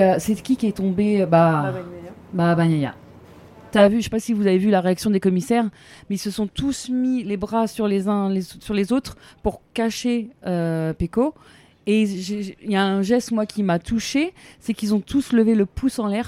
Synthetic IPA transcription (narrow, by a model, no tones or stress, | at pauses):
øsɛkʲikʲiɛt̪ɔ̃beøba | babaɲaja̰ | t̪yavyʃepasivuzavevylaʁeaksjɔ̃d̪ekɔmisɛʁ | mɛilsəsɔ̃t̪usmilebʁasyʁlezɛ̃lesyʁlezot̪χpuʁkaʃeøpeko | eʒeiljaɛ̃ʒɛst̪mwakʲimat̪ʰuʃesɛkilzɔ̃t̪ʰusləveləpʰusɑ̃lɛʁ